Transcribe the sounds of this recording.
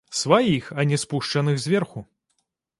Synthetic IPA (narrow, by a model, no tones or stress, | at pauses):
svajixɐnʲɛspuʂt͡ʂɐnɨxzʲvʲɛrxu